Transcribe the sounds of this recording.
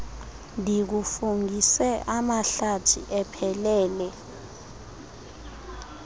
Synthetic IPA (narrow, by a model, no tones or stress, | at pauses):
ndʱik̬ufuŋɡʱisɛʔamaɬatʰḭʔɛpʰɛlɛːlɛ